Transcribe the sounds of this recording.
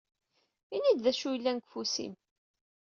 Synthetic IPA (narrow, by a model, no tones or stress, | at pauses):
inid̪ðæʃujlːænkfusḭm